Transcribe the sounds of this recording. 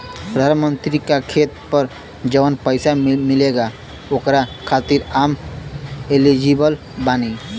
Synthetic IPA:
pɾəd̪ʱanmənt̪ɾikakʰet̪pəɾ | d͡ʒəʋənpəɪsamɪleɡa | oːkɾakʰat̪iɾaːm | elid͡ʒibəl | baːni

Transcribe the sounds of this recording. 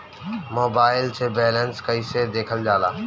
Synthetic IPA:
moːbaːɪlt͡ɕeːbɛːlənskəiːsed̪eːkʰəld͡ʒaːlaː

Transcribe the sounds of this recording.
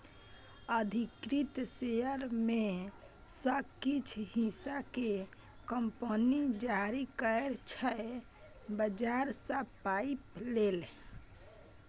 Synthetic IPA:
əd̪ʱikɾit̪seəɾme | səkit͡ʃʰhĩsake | kəmpənid͡ʒaɾikəɾt͡ʃʰə | bəd͡ʒaɾsəpaiplel

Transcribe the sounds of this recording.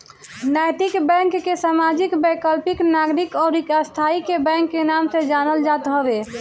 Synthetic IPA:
najt̪ikbɛ̃ŋkːesamad͡ʒikbəkəlpiknaɡɾikɔɾikast̪ʰaikebɛ̃ŋkːenamsẽd͡ʒanəld͡ʒat̪ɦɔbe

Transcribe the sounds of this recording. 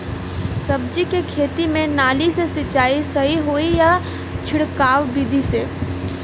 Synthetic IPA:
sɐb̚d͡ʒikekʰeːt̪imẽnaːlisesɪt͡ʃaːisɐɦiɦoija | t͡ʃʰɪɽkaːʋbid̪ʱiseː

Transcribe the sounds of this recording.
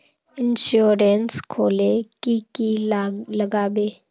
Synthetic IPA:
ɪnʃuːɾenskʰoːleːkikiːləɡaːbeː

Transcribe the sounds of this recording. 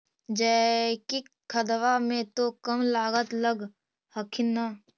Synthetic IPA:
d͡ʒɛːkikʰəd̪ʋamẽt̪okəmlaːɡət̪ləɡ | həkʰɪnːa

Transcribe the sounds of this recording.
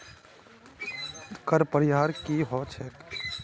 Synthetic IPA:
kəɾpəɾɪɦaːɾkiɦɔt͡ʃʰɛk

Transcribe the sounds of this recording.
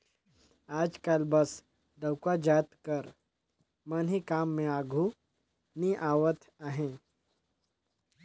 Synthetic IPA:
aːd͡ʒkalbəs | ɖəwkad͡ʒat̪kəɾ | manɦikaːmːẽaɡʱu | niʔaʋət̪ʰ | aɦẽ

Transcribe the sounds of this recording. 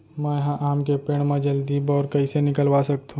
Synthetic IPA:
mɛ̃jɐɦãʔaːmkepeːɽ̃mãd͡ʒəld̪iːbɔːɾkɐisenɪkəlwaːsɐkt̪ʰũ

